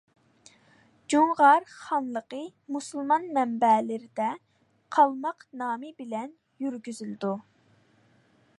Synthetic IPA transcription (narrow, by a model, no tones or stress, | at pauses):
d͡ʒuŋʁɑɾχɑnlˠəqə | musulˠmɑnmɛmbɛlɪɾɪd̪ɛ | qʰɑlˠmɑqnɑːmɨbɪlɛn | jyɾɡʲyzyld̪u